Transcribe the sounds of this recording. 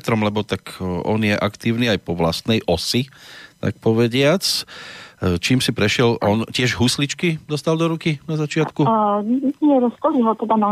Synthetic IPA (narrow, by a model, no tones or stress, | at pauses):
t̪ɾɔmlɛbɔt̪akʔɔnjɛʔakt̪iːʊniajpɔʋla̰st̪nɛjʔɔsit̪a̰k̚pɔʋɛɟɪat͡s | t͡ʃiːmsipɾɛʃɪɛlɔncɪɛʒɦuslit͡ʃkid̪ɔst̪ald̪ɔɾukinazat͡ʃɪat̪kuiɲɛɾɔskɔliɦɔt̪ɛd̪ana